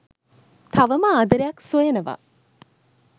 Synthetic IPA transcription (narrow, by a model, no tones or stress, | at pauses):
t̪ʰɐʋəmaːd̪ɐɾejɐksujenɐʋa̰